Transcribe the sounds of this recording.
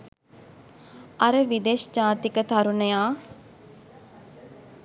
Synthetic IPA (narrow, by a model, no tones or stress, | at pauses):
ɐɾəʋid̪eːʃd͡ʒaːt̪ikət̪ʰɐɾunɐjaː